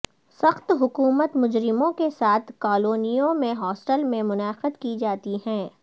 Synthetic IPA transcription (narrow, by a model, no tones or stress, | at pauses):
sɐxt̪ɦʊkuːmət̪mʊd͡ʒɾɪmõkesaːt̪ʰkaːloːnijõmẽɦɔːsʈəlmẽmʊnaːqəd̪kid͡ʒaːt̪iɦɛ̃ː